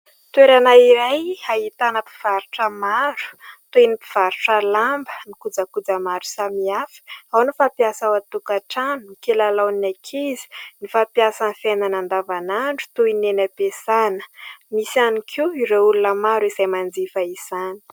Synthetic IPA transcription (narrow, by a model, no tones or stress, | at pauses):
t̪weɾanaiɾajaɦit̪anəpi̥v̥aɾuʈ͡ʂəmaɾu̥t̪uinipi̥v̥aɾuʈ͡ʂəlambənikud͡zəkud͡zəmaɾu̥samiafə̥awnifapjasawat̪ukaʈ͡ʂanunikelalawnakʰizi̥nifapjasanfenanand̪avanaɳɖ͡ʐu̥t̪uinenapesanə̥misianikʰiiɾeulunəmaɾuizajmand͡zifaiz̥ani̥